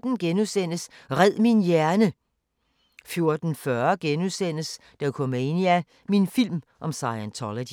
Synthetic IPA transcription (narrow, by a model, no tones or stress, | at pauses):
d̥n̩ɡ̥enusen̰əsʁɛð̰ˠminjæɐnə | fjo̝ɐd̥n̩fɶɐɡ̥enusen̰əs | d̥æukʰɔmeniæ | minfil̰mʔɒ̽msɑ̈ɪænt͡sʰɒləd̥